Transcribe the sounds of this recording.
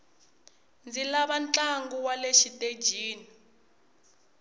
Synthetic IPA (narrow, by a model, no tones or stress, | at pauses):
nd͡zilaβant͡ɬaŋɡuwaleʃitʼed͡ʒʱiːni